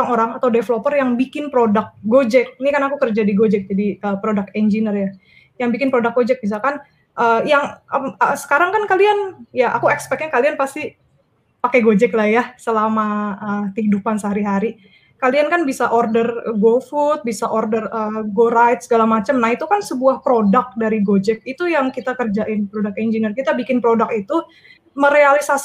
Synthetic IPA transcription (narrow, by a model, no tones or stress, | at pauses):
oaŋoɾaŋat̪awdefəlopərjaŋbikɪnpɾodak̚ɡod͡ʒɛk̚nikanakukərd͡ʒadiɡod͡ʒɛk̚d͡ʒadiəpɾodak̚ɛnd͡ʒinərja | jaŋbikɪnpɾodak̚ɡod͡ʒɛk̚bis̬alkan | ʔəːjaŋəsə̥kaɾaŋkankalianjaʔa̰kuɛkspɛk̚ɲakalianpast̪i | pakɛɡod͡ʒɛklahjasəlamaət̪əhidupansəɦaɾiɦaɾi | kaliankanbisaʔɔrdərɡofut̪̚bisaʔɔrdərəɡoɾajt̪̚səɡalamat͡ʃəmnahit̪ukansəbuahpɾodak̚daɾiɡod͡ʒɛk̚it̪ujaŋkit̪akərd͡ʒaʔɪnpɾodak̚t̪ɛnd͡ʒinirkit̪abikɪnpɾodakit̪u | məɾealisas